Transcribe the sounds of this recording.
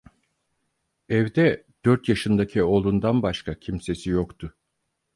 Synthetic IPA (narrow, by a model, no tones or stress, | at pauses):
ɛvd̪ɛ | d̪̥øɾt̪jaʃɯnd̪acʰio̞lˠund̪anbaʃkʰacʰimse̞sijokt̪ʰʊ